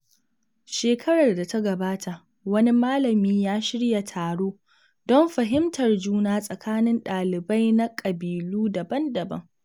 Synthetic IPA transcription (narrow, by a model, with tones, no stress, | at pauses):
ʃeː˨kʰɐ˦ɽɐ˨rda˨ta˦ɡɐ˨baː˦tʰa˨ʔ | wɐ˦ni˦maː˦lɐ˨miː˦jaː˦ʃɪ˦ɽja˨tʰaː˨ɽoː˦ | dɔ˦mɸɐ˨ɦɪ˦mtɐ˨rd͡ʒuː˦naː˦sʼɐ˨kʰaː˦nɪ˦nɗaː˨lɪ˨ba˦jna˦kʼɐ˨biː˨luː˦dɐ˨bɐ˦ndɐ˨bɐ̰˦ŋ